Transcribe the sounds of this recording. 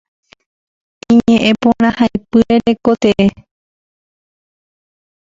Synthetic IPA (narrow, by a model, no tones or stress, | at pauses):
ĩɲẽ̞ʔẽpõɾ̃ãhajpɨɾeɾe̞ko̞t̪eʔe